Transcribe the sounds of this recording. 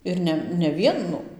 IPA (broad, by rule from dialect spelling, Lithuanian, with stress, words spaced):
ɪr ˈnʲɛ nʲɛ ˈʋʲiɛnʊ